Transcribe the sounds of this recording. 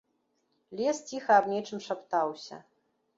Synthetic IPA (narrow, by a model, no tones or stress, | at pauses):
lʲɛst͡sʲixɐːbnʲɛt͡ʂɨmʂapt̪awsʲɐ̰